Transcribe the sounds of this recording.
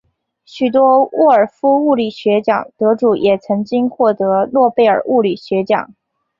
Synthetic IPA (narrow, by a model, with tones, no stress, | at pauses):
ɕy˨˩t̪wɔ˥wʔɔ˥˩ə˞˨˩fu˥u˥˩li˨˩ɕɥɛ˧˥t͡ɕjɑ̰˨˩ŋt̪ɤ˧˥ʈ͡ʂu˨˩jʔɛ˨˩t͡sʰɤ˧˥ŋt͡ɕi˥ŋxwɔ˥˩t̪ɤ˧˥lwɔ˥˧pe˥˩ɪə̰˞˨˩u˥˩li˨˩ɕɥɛ˧˥t͡ɕjɑ̰˨˩˦ŋ